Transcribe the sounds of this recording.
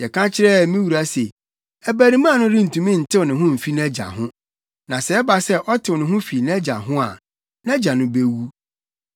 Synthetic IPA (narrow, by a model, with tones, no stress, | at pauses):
jɛ˨kʰã˦t͡ɕʰɪ˦ɾɛ˦˨mĩ˦wu˨ɾa˦se˨ | æ˨bæ˨ɾi˨˦mã˦˨nʊ̃˦ɾi˦n̩˨tʰũ˨mĩ˦n̩˨tʰɪ˦wnɪ̃˨ɦʊ̃˦m̩˨fi˦n˦ɛ˦d͡ʑa̰˨ɦʊ̃˦ | nã˨sɛ˨ɛ˦ba˨sɛ˦ʔɔ˦tʰɪ˨wɔ˨nɪ̃˨ɦʊ̃˦fi˨ñ˦ɛ˦d͡ʑa˨ɦʊ̃˦a̰˨ | nɛ̃˦d͡ʑa˨nʊ̃˦be˦wu˦